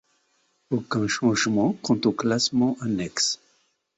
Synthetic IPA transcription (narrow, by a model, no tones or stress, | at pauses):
okɛ̃ʃɑ̃ʒmɑ̃kʰɔ̃t̪oklasmɑ̃ʔanɛks